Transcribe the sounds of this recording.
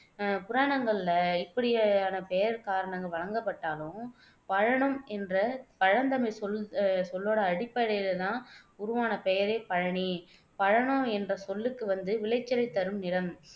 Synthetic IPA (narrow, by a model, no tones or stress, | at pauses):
pʊɾaːɳɐŋɡɐɭɪlɐɪpːɐɽɪjaaːnɐpɛjɐɾkaːɾɐɳɐŋɡɐɭʋɐɻɐŋɡɐpːɐʈːaːlʊ̃ | pɐɻɐɳɐmɛndrɐpɐɻɐnd̪ɐmɐɪsɔlsɔlːoːɽɐːɽɪpːɐɽɐjɪlɐt̪ãːʊɾʊʋaːnɐpɛjɐɾeːpɐɻɐɳi | pɐɻɐɳõɛndrɐsɔlːɯkːɯʋɐnd̪ɯʋɪlɐɪt͡ʃːɪɾɐɪt̪ːɐɾɯmnɪɽɐm